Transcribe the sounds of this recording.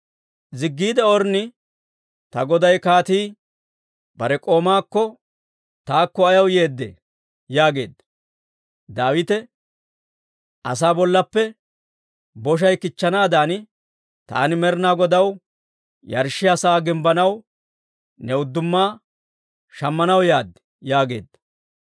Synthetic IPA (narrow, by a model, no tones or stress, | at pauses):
zɪɡːiːd̪ɛɔɾnɪ | t̪ɐɡɔd̪ɐjkaːt̪iː | b̥ɐɾɛkʼo̞ːmaːkːɔ | t̪aːkːɔɐjɐwje̞ːd̪ːḛː | jaːɡe̞ːd̪ːɐ | d̪aːwɪt̪ɛ | ʔɐ̰s̬aːbɔlːɐpːɛ | bɔʃ̬ɐjkɪt͡ʃːɐnaːd̪aːn | t̪a̰ːnɪmɛɾnaːɡɔd̪ɐw | jɐ̰ɾʃɪɐsaːɡɪmbɐnɐw | nɛʊd̪ːʊmːaː | ʃɐmːɐnɐwjaːd̪ɛ̥ | jaːɡe̞̰ːd̪ːɐ